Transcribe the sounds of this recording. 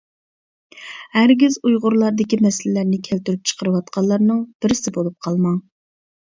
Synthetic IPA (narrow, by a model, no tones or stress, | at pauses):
hæɾɡʲizujʁʊɾlˠɑɾd̪ɪkʲimɛsɪlɪlæɾnɪkʲʰælt̪yɾyp̚t͡ʃʰə̥qʰəɾɨwɑt̪qʰɑlˠːɑɾnɨŋb̥ɪɾɪsɪbolˠup̚qʰɑlˠmɑŋ